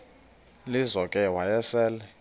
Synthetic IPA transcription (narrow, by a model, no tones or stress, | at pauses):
lizɔkʼɛwajɛsɛːlɛ